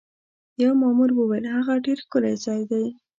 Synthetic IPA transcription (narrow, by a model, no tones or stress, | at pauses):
jawmɑmuɾwəwajlɦaɣaɖeɾkʊlajzɑjd̪aj